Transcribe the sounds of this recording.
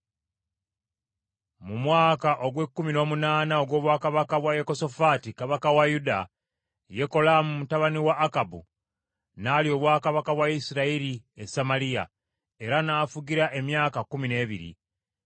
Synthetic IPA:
mumwaːkaʔo̞ɡwe̞kːumino̞ːmunaːnao̞ɡwo̞ːβwaːkaβakaβwajeko̞so̞fatikaβakawajuda | je̞ko̞lamumutaβaniwaːkabṵ | naːlio̞ːβwaːkaβakaβwaisiɾaiɾiesamalija̰ | e̞ɾanaːfuɡiɾaʔe̞mjaːkakumine̞ːβḭɾḭ

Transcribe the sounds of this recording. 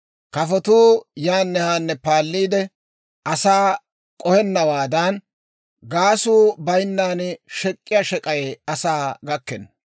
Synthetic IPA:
kɐfɔt̪uːjaːnːɛhaːnːɛpaːlːiːd̪ɛ | ɐsaː | kʼɔhɛnːɐwaːd̪ɐn | ɡaːsuːbɐjnːaːnʃɛkʼːɪjaːʃɛkʼɐjɛɐsaːɡɐkːɛnː

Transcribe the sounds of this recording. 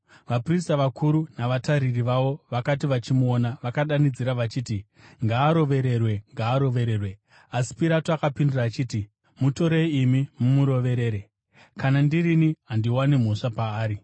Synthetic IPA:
ʋapristaʋakuɾunaʋataɾiriʋaʋo̞ʋakatiʋat͡ʃimuonaʋakaɗanid͡ziɾaʋat͡ʃiːti | ŋɡaːɾo̞ʋe̞ɾe̞rwe̞ŋɡaːɾo̞ʋe̞ɾeːrwe̞ | asi̥piɾatoakapinduraːt͡ʃiːti | muto̞ɾeiːmimumuɾo̞ʋe̞ɾe̞ːɾe̞ | kanandiriniɦandiwanem̤o̞ʂapaːɾi

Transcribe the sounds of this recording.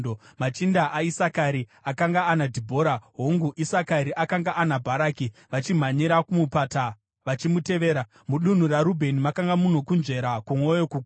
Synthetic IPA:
omat͡ʃindaʔaisakaɾi | akaŋɡaːnadʱibʱo̞ːɾaɦoŋɡuʔisakaɾiʔakaŋɡaʔanabʱaɾaːkiʋat͡ʃim̤aɲiɾakumupata | ʋat͡ʃimute̞ʋe̞ːɾa | muɗun̤uraɾubʱe̞nimakaŋɡamuno̞kunʐe̞ɾakumwojokuɡ

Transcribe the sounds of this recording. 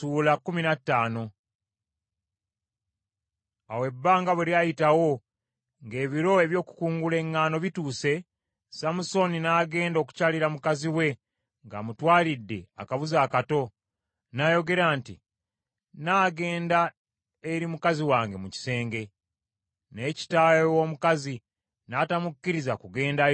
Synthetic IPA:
tuːlakːuminatːaːno̞ | awe̞bːaːŋɡaβeliajitawo̞ | ŋɡe̞ːβiɾo̞e̞βjo̞ːku̥kuːŋɡule̞ŋːaːno̞βituːse̞ | samuso̞ninaːɡe̞ːndo̞ːku̥caliɾamukaziwe̞ | ŋɡa̰mutwaːlidːe̞a̰kaβuzaːkato̞ | najo̞ɡe̞ɾaːntḭ | naːɡe̞ːnda | eɾimukaziwaːŋɡe̞muci̥se̞ːŋɡe̞ | ne̞ːci̥taːjowo̞ːmukazi | naːtamukːiɾizakuɡe̞ːnda

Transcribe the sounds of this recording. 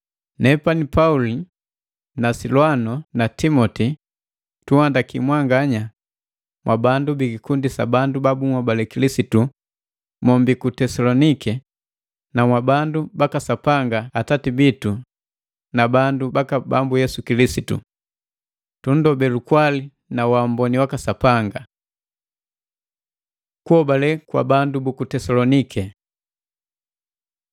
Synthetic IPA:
nɛpanipauli | nasilwanɔnatimɔti | tuhandakimwaŋɡaɲa | mwʔabandubiɡikundisa̰bandubabumwabalɛkilisitu | mɔmbikutɛsalɔnikɛ | namwabandubakasapaŋɡaːtatibitu | nabandubakaba̰mbujɛsukilisitṵ | tun̩dɔbɛlukwali | nawambɔniwakasapaŋɡa | kuhɔbalɛkwa̰bandubukutɛsalɔnikʰɛ

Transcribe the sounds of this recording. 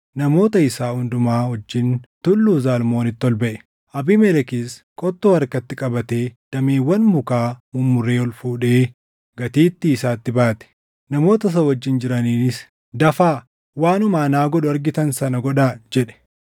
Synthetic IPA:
nɐmo̞ːt̪ɐɪsaːhʊnd̪ʊmaːhɔd͡ʒːɪnt̪ʊlːuːzaːlmo̞ːnɪt̪ːɔlbɐʔɛ̥ | ʔɐbɪmɛlɛkis | kʼɔt̪ːoːɐɾkɐt̪ːɪkʼɐbɐt̪e̞ːd̪̥ɐmeːwːɐnmʊkaːmʊmːʊre̞ːɔlfuːᶑe̞ː | ɡ̥ɐt̪iːt̪ːɪːsaːt̪ːɪbaːt̪ɛ̥ | nɐmo̞ːt̪ɐs̬ɐwɐd͡ʒːɪnd͡ʒɪɾɐniːnɪs | d̪ɐfaː | waːnʊmaːnaːɡɔɗʊɐɾɡɪt̪ɐnsɐnɐɡɔᶑaːd͡ʒɛᶑɛ̥

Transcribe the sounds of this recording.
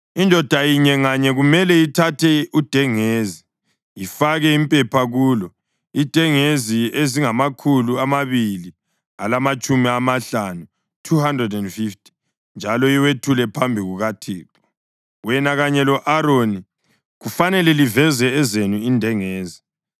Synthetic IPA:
indʱɔd̥ʱajiɲɛŋaɲɛɣumɛlɛjitʰatʰɛud̥ʱɛŋeːzi | jifaɣɛimpʼɛpʰaɣuːlɔ | id̥ʱɛŋezieziŋamakʰuluamaβili | alamat͡ʃʼumiamaɬanu | tʰuhandrɛdɛndfiftʰʼi̥ | nd͡ʒʱalɔjiwetʰulɛpʰambʱiɣuɣatʰiːǁɔ̥ | wɛnaɣaɲɛlɔʔaɾoni | ɣufanɛlɛlivɛzɛɛzenuindʱɛŋeːzi

